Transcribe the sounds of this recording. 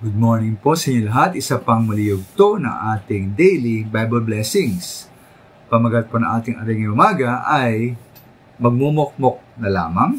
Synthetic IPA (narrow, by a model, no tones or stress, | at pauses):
ɡʊd̪̚moɹnɪŋpo̞sɐɲolɐɦat̪ʔɪsapɐŋmɐlijoɡ̚t̪onɐ̰ŋʔaːt̪ɪŋd̪ɛjlibajbɐlblɛsɪŋs | pɐmɐɡɐt̪̚ponɐŋʔaːt̪ɪŋɐɾiŋɪŋʔʊmaːɡɐʔɐj | mɐɡ̚mumok̚mok̚nɐla̰ːmɐŋ